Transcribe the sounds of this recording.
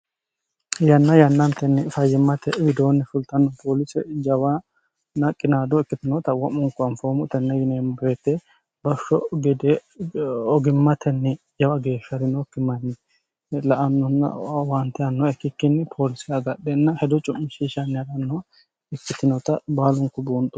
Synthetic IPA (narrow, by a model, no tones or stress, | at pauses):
jɐnːɐjɐnːɐnt̪ɛnːɛfɐjːɪmːɐt̪ɛwɪd̪oːnːɛfʊlt̪ɐnːɔpʰoːlɪsɛd͡ʒɐwɐ | nɐkʼːɪnaːd̪ɔɪkːɪt̪ɪnɔt̪ɐwɐmʊŋkːʊɐnfoːmʊt̪ɛnːɛjɪneːmbɾet̪ːe | bɐʃːɔɡɛd̪e | ɔɡɪmːɐt̪ʰɛnːɪ | d͡ʒɐwɐɡe̞ːʃːɐɾɪnɔkːɪmːɐnːɪ | lɐʔɐnːɔnɐ̰want̪ːɛɐnːɔɛkːɪkːɪnːpʰoːlɪsɪjɐɡɐɗːɛnːɐhɛd̪ɔt͡ʃʼʊmːʃiːʃɐnːɪɐɾɐnːɔ | ɛkːɪt̪ɪnɔt̪ɐbaːlʊŋkʊbuːnt̪ʼʊ̥